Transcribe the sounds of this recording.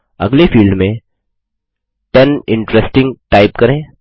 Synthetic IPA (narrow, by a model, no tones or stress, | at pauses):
ɐ̰ɡlefiːlɖmẽ | ʈɐnɪ̃ɳʈɾesʈɪ̃ŋɡʈaːɪpkɐɾẽː